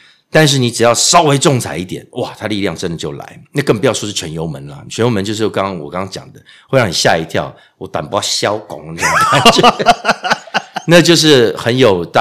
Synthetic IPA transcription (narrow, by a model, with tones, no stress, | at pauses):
t̪a˥˧nʂ̬ɻ̩˥˩˨ni˧˥ʈ͡ʂɻ̩˨˩jɑ˥˩ʊʂɑ˥ʊwe˥ɪʈ͡ʂʊ˥˨˩ŋt͡sʰa˧˥ɪi˥˩t̪jɛ̰˨˩˦nwʔa˨t̪ʰa˥˧li˥˧ljɑ˥˩ŋʈ͡ʂə˧˦nd̪ə˨t͡ɕjo˥˩ʊla̰˧˦ɪna˥˧kə˥˩npu˧˥jɑ˥˧ʊʂwɔ˦˥ʂɻ̩˥˩t͡ɕʰɥɛ˧˦njo˧˥ʊmə˧˦nlɐ̰˧˨t͡ɕʰɥɛ˧˦njo˦˥mə˧˦nt͡ɕjo˥˧ʂ̬̩˥˩jo˥˩kɑ˥ŋkɑ˥ŋwɔ̰˨˩kɑ˥ŋɑ˥ŋt͡ɕjɑ̰˨˩ŋd̪ə˦ | we˥˧ɻɑ˥˩ŋni˨˩ɕja̰˥˩i˧˥t̪ʰjɑ̰˥˩ʊ | wɔ˧˦t̪wa̰˨˩npu˦˥jɑ˥˩ɕjɑ˦˥ʊkʊ̰˨˩ŋə˧n˥˩˨a˥t͡ɕ | na˥˧t͡ɕjo˥˧ʊʂ̬ɻ̩˥˩xə˧˦njo˨˩ʊt̪